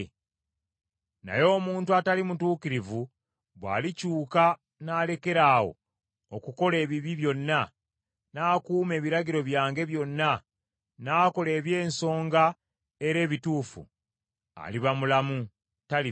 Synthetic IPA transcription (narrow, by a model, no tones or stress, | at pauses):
na̰jo̞ːmuːntuatalimutuːkiɾivu | βwa̰ːlicuːka | naːle̞ke̞ɾaːwo̞̰ː | kuko̞le̞ːβiβiβjo̞nːa | naːkuːme̞ːβiɾaɟiɾo̞βjaːŋɡe̞βjo̞nːa | naːko̞le̞ːβje̞ːnso̞ːŋɡa | eɾe̞ːβituːfṵ | a̰liβamulamu | tali